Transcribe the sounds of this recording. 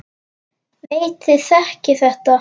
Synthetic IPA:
veːjt̪ɪθɛhcɪθɛht̪a

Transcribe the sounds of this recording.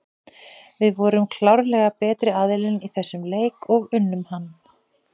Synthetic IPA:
vɪðvɔːɾʏmkʰlawɾlɛɣapɛːt̪ɾɪaðɪlɪniθɛsːʏmleːjkɔɣʏnːʏmhanː

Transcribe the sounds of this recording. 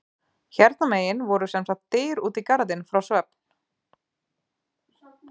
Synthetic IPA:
çɛɾt̪nameːjɪnvɔɾʏsɛnsat̪ːeːjɾuːt̪ikaɾðɪnfɾawsvɛp̚n̥

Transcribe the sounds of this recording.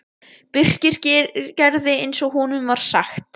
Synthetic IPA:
pʏr̥cɪɾ̥cɪcɛɾðɪejnsɔɣɦunʏmvaɾ̥saxt̪

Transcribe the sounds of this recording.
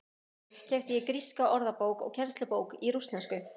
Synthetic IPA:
cʰɛft̪jɛkɾiskaʔɔɾðapoːwkɔ̰ɣcʰɛɾ̥st̪lʏpoːwkiɾust̪nɛnskʏ

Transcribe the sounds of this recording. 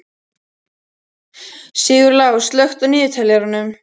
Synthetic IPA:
siːɣʏɾlawst̪lœxt̪ʏniːjʏt̪ʰɛljɛɾʏnʏm

